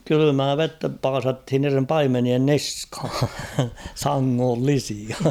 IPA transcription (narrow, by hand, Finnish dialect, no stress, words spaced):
kylymæː ʋetːæ pɑːsɑthin niːrem pɑimenien niskhɑ̥ sɑŋːolːisiɑ